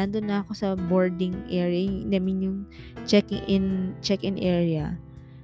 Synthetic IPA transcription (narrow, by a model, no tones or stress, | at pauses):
and̪onːɐɐko̞sɐboɹd̪ɪŋʔɛɹjɐnamɪnjʊŋ | t͡ʃɛkɪŋʔɪnt͡ʃɛkɪnʔɛːɹjɐ